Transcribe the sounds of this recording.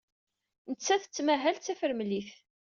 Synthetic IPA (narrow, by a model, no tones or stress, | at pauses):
nət͡sːæθə̥t͡sːmæɦælt͡sːæfəɾmliθ